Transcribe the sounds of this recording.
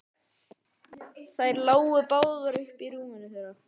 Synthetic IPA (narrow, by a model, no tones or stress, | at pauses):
θajɾlaːwʏpaːwðaɾʏhpiɾuːmɪnːʏθɛɾa